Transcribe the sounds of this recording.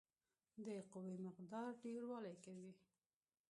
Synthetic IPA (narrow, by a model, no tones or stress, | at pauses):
d̪əqʊwimɪqd̪ɑɾɖeɽwɑlajkawi